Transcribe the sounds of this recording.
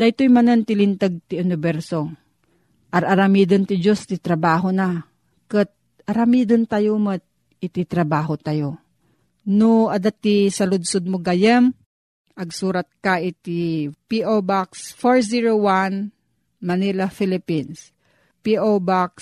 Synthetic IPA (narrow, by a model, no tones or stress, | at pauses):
d̪̥ajt̪ojmɐnɐnt̪ɪlɪnt̪aɡ̚t̪ɪʊnɪbɛɾso | ʔɐɾɐɾɐmiːd̪ɐnt̪ɪd͡ʒost̪ɪt̪ɾɐbaːɦona | kɨt̪̚ | ʔɐɾɐmiːd̪ɐnt̪ajomɐt̪̚ | ʔɪt̪it̪ɾɐbaːɦot̪ajo | noɐd̪at̪ːisɐlʊd̪̚sʊd̪̚moɡajɛm | ʔɐɡ̚suːɾɐt̪̚kaʔɪt̪ipiʔobaksfoɹsiɹowan | mɐnilafilɪpins | piʔobaks